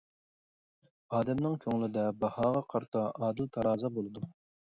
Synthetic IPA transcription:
ɑːd̪ɛmnɨŋkʲʰøŋlɪd̪ɛbɑhɑːʁɑqʰɑɾt̪ʰɑʔɑːd̪ɨlt̪ʰɑɾɑːzɑbolˠɨd̪u

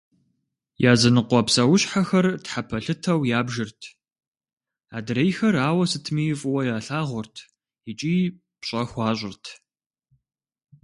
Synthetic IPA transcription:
jaːzɐnɨqʷɔpsɐwʊɕħaxɐrtħapʰɐɬɨtʰɐwjaːbʒɪrtʰ | aːdɨɾejxɐraːwɐsɨtʰmiːfʼʊwɐjaːɬaːʁʷʊrtʰ | it͡ʃʼiː | pɕʼɐxʷɑːɕʼɪrtʰ

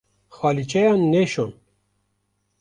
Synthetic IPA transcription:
xwaːlit͡ʃɛjɑːnːeʃon

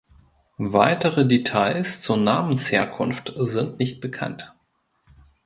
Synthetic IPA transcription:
vaɪtəʁədetʰaɪst͡suːɐnaːmən̩sheːɐkʰʊnftzɪntnɪçt̚b̥əkʰa̰nt

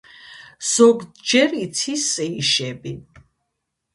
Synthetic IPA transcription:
z̥ɔɡd͡ʒɛɾit̪sʰisʼɛiʃɛbi

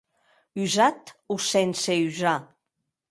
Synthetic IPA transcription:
yzat̪usɛnseyza

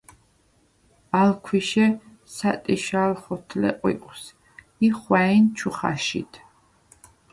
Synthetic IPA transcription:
alkʰwiʃɛ | sat̪ʼiʃalχɔt̪ʰlɛ̰qʼwḭqʼws | iχwaint͡ʃʰuχa̰ʃḭt̪ʰ

